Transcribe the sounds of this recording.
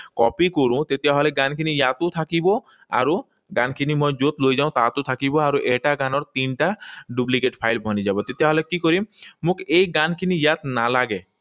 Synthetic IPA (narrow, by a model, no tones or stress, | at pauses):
kɔ̰pikoɾũt̪et̪eaɦɔleɡankinijat̪ot̪ʰakibo | a̰ɾu | ɡankʰinimojd͡ʒot̪lojd͡ʒaʊ̃t̪at̪ot̪ʰakibɔaɾuʔeʈaɡanɔɾt̪inʈaɖublikeʈpʰajlbʱɔnid͡ʑabɔt̪et̪eaɦɔlekikoɾimmũkejɡankʰinijat̪nalaɡe